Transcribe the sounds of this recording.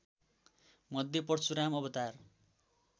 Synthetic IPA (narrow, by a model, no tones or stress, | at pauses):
mʌd̪ʱːjepʌrsuɾamʌbʌt̪ar